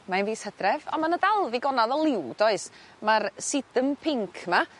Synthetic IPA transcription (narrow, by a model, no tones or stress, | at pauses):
manviːshədrɛvamanədalˠviɡɔnaðəlˠɪwd̥ɔɨs | marsɪd̥əmpʰɪŋkʰma